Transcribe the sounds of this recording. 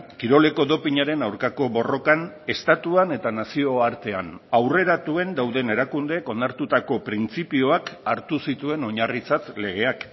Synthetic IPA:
kiɾo̞le̞ko̞ðo̞piɲaɾe̞nawɾkako̞βo̞ro̞kane̞st̪at̪uane̞t̪anasio̞aɾt̪e̞anawre̞ɾat̪ue̞nd̪awðe̞ne̞ɾakund̪eːko̞nd̪aɾt̪ut̪ako̞pɾint͡sipio̞akaɾt̪usit̪ue̞no̞ɲarit͡sat̪le̞ɣ̞e̞ak

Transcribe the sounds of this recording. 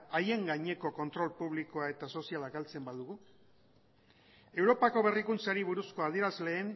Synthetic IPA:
aje̞ŋɡaɲe̞ko̞ko̞nt̪ɾo̞lpuβlikoae̞t̪aso̞sialakalt͡se̞mbaðuɣu | e̞wɾo̞pako̞β̞e̞rikunt͡saɾiβuɾusko̞að̞ie̞ɾazle̞ːn

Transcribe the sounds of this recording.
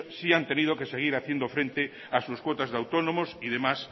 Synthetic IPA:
siant̪enið̞okeseɣ̞iɾaθjend̪ofɾent̪e | asuskwot̪azðawt̪onomosiðemas

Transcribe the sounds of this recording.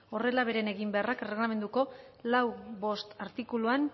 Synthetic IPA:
o̞re̞laβ̞e̞ɾe̞ne̞ɣimbe̞arakre̞ɣlame̞nd̪uko̞lawβo̞st̪aɾt̪ikuluan

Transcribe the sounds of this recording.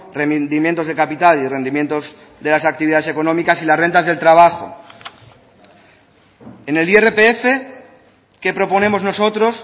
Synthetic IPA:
remnd̪imjent̪o̞zð̞e̞kapit̪alire̞nimjent̪o̞z | ðe̞lasak̚t̪iβiðaðese̞ko̞nomikasilazre̞nt̪azð̞e̞lt̪ɾaβ̞axo̰ | ene̞lierepeefe̞ | ke̞pɾo̞po̞nẽ̞mo̞zno̞so̞t̪ɾo̞s

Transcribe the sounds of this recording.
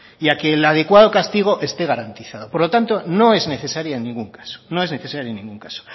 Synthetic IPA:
iake̞ːlað̞e̞kwað̞o̞kast̪iɣ̞o̞ʔe̞st̪e̞ɣ̞aɾant̪iθað̞o̞po̞ɾlo̞t̪ant̪o̞no̞e̞zne̞θe̞saɾjaenːĩŋɡuŋkḁso̥no̞e̞zne̞θe̞saɾjonĩŋɡuŋkaso̥

